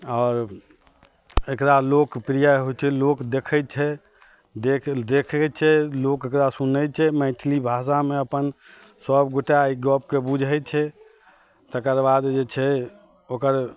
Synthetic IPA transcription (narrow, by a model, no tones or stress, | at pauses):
ɔːɾ | ekɾalokpɾijaɦojt͡ʃʰɛlokd̪ekʰɛt͡ʃʰɛ | d̪ekd̪ekʰɛt͡ʃʰɛlokekɾasunət͡ʃʰɛməɪt̪ʰlibʱas̬ameəpən | səbɡoʈaiɡɔp̚kebud͡ʒʱəjt͡ʃʰɛ | t̪əkəɾbad̪d͡ʒet͡ʃʰɛ | okəɾ